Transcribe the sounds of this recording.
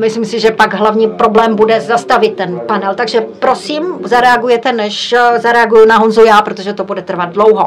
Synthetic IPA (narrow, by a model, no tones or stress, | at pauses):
mɪslimsɪʒɛpaɡɦlavɲiːpɾo̞blɛːmbudɛzast̪avɪt̪ːɛnpanɛlt̪aɡʒɛpɾo̞siːmzaɾɛaɡujɛt̪ɛnɛʃzaɾɛaɡujʊnaɦonzujaːpɾot̪oʒɛt̪o̞budɛt̪r̩vad̪̚dlo̞wɦo